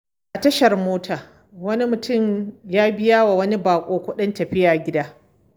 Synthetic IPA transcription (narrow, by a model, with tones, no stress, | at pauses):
ʔa˨tɐ˦ʃɐ˨rmoː˦tʰaː˨ | wɐ˦ni˦mʊ˨tʊ˦˨mjaː˦bɪ˦jaː˦wa˨wɐ˦ni˦baː˨kʷʼoː˦kʷʊ˦ɗɐ˦ntɐ˨ɸɪ˦jaː˨ɡʲɪ˦daː˦